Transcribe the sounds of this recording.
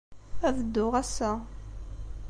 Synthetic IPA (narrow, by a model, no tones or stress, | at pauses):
ævəd̪ːʊʁæsæ